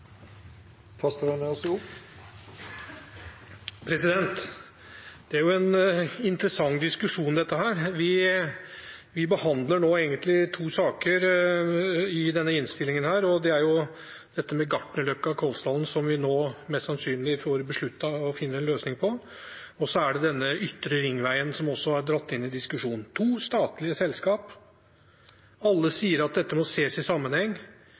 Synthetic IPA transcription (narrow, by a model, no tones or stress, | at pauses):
pʰɑst̪oɾɑnɛɔsʊpː | pʰɾɛsɪd̪ɛnt̪ | d̪̥ɛæɾjʊɛnɪnt̪ɾəsɑŋːd̪ɪskʉʂuːnd̪ɛt̪ːəɦæːɾʋɪ | ʋɪbəhɑnd̪ləɳoːeːɡənt̪lɪt̪ʰuːsɑːkəɾ | ɪd̪ɛnːəɪnst̪ɪlːɪŋənhæːɾɔd̪ɛæɾjʊ | d̪̥ɛt̪ːəmɛɡɑʈɳəlœkːɑkʰɔlst̪ɑlnsɔmʋɪnoːmɛst̪sɑnsyːnlɪfoːɾbəʂɭʉt̪ːɑɔfɪnːəɛnløːsnɪŋpʰɔ | ɔsɔæɖɛd̪ɛnːəʔʏt̪ːɾəɾɪŋːʋæɪənsɔmɔsːɔæɾɖɾɑt̪ːɪnːɪd̪ɪskʉʂuːnn̩t̪ʰuːst̪ɑːt̪lɪəsɛlːskɑːp | ɑlːəsiːəɾɑt̪̚d̪ɛt̪ːəmɔseːsɪsɑmːənhɛŋː